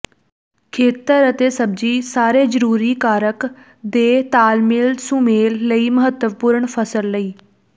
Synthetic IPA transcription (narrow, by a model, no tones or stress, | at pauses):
kʰeːt̪əɾət̪eːsəb̚d͡ʒiːsaːɾeːd͡ʒəɾuːɾiːkaːɾək | d̪eːt̪aːlmɪlsũːmeːlːəiːməɦət̪ːəʋpʊɾəɳpʰəsəlːəiː